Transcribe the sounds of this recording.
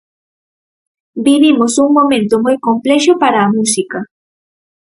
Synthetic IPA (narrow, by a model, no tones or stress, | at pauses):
biβimʊsʊŋmoment̪omujkompleʃopaɾamusɪka